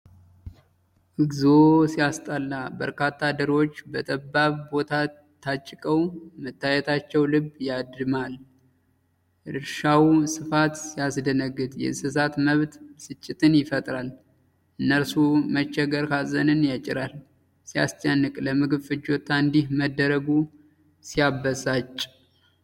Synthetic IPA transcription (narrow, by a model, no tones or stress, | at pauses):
ʔɨɡzosijast̪ʼalːabə̰ɾkʰat̪ʰːad̪əɾo̞t͡ʃːbət̪ʼəbːaβbo̞t̪ʰa | t̪ʰːat͡ʃʼːɪkʼəwmət̪ːajɛt̪ʰat͡ʃːɛwlɨbːjad̪ɨmal | ʔɨɾʃawsɨfat̪sijasd̪ənəɡːɨt̪ʼjɛ̰sɨsat̪məβt̪sɨt͡ʃʼːɪt̪ʰʼɨnjɪfət̪ʼɾal | ʔɨnːəɾsumət͡ʃːɛɡəɾkʰazənɨnjat͡ʃʼːɪ̰ɾal | sija̰st͡ʃʼənːɨkʼləmɨɡɨβfɨd͡ʒo̞t̪ʰːaɨnd̪ihməd̪ːəɾəɡu | sijabəsat͡ʃʼ